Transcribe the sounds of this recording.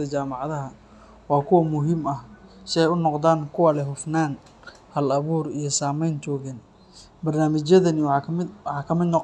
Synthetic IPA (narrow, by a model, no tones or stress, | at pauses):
ɐt͡ʃaːmɑʕðɐɦɐ | wɑːkʰʊwɐmʊɦɪmɐhsɪɛjʊnɔqðaːnkʰʊwaːlɛɦʊfnaːn | hɐlɐβuːrijɞsaːmɛjnt͡ʃɔːɣɛn | bɐrnaːmɪt͡ʃjɐðɐnɪwɑħɑːkʰɐmɪd̪n